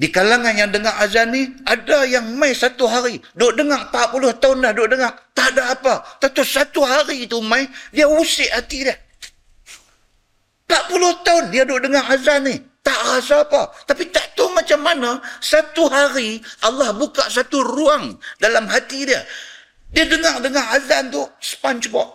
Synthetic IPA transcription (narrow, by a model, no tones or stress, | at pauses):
dikalaŋanjaŋdəŋaʔazanːiadajaŋmajsat̪uɦaɾidoʔdəŋaʔpaʔpulʊht̪aʊndahdoʔdəŋaʔt̪aʔdaːpat̪at̪ʊsat̪uɦaɾiːt̪umajdiausɪʔhat̪idah | paʔ̚pulʊht̪aʊndiadoʔdəŋaʔazanɪht̪aʔrasaːpat̪apit̪aʔt̪umat͡ʃamːanasat̪uɦaɾiʔalːɑhbukaʔsat̪uruaŋdalamɦat̪idia | diadəŋaʔdəŋaazant̪usə̥pant͡ʃəbaʔ